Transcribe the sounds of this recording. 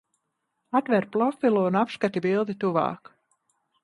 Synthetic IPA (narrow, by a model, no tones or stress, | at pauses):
at̪vɛɾplˠɔfʲilˠuunapskat̪ibilˠd̪it̪uva̰ːk